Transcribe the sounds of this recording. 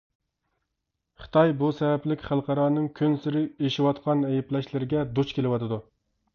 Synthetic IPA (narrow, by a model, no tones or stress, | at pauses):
χɨ̥t̪ʰɑjbusɛvɛplɪkʲχælˠqʰɑɾɑːnɨŋkʲʰynsɪɾɪeʃiwɑt̪qʰɑnɛjɛplɛʃlɪɾɪɡʲɛd̪ut͡ʃkʲʰelɪwɑt̪ʰɨd̪u